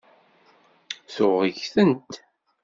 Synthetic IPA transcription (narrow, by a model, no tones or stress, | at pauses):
θʊʁəʝθənt̪